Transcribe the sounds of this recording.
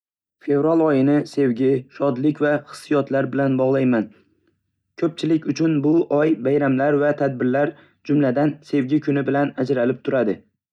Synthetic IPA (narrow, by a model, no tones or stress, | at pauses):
fe̞vɾalˠɒjɪnɪse̞wɡʲɪʃɒd̪lɪkʲvaχɨ̥sːijɒt̪laɾbɪlanbɒʁlˠajman | kʰɵp̚t͡ʃʰɪlɪkʲʊt͡ʃʰʊnbʊʔɒjbajɾamlaɾvat̪ʰad̪̚bɪɾlaɾ | d͡ʒʊmlad̪anse̞wɡʲɪkʰʊnɪbɪlanad͡ʒɾalɪp̚t̪ʰʊɾad̪ɪ